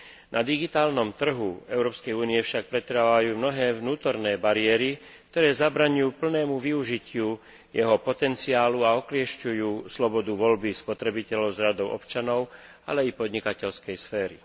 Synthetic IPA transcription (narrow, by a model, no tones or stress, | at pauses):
nʔad̪iɡit̪aːlnɔmt̪r̩ɦuɛʊɾɔːpskɛjuːniɛfʃak̚pɾɛt̪ɾaaʋajuːmnɔɦɛːvnuːt̪ɔɾnɛːbaɾɪɛːɾi | kt̪ɔɾɛːzabɾaːɲujuːpl̩nɛːmuʋiuʒicɪu | jɛɦɔpɔt̪ɛnt͡siaːluaɔklɪɛʃcujuːslɔbɔd̪uʋɔlbispɔt̪ɾɛbicɛlɔʊzɾad̪ɔʊʔɔ̰pt͡ʃanɔʊ | a̰lɛipɔd̪ɲikacɛlskɛjsfɛːɾi